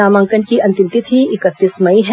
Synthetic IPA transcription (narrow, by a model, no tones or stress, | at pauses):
aːmãːŋkənkiɐ̃nt̪ɪ̃mt̪it̪ʰɦiɪkət̪ːiːsmɐiɦɛ